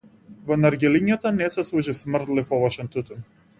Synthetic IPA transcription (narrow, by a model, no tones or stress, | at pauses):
vɔnaɾɡʲɛliɲat̪anɛsɛslˠuʒismrt̪lifɔvɔʃɛnt̪ut̪ɛn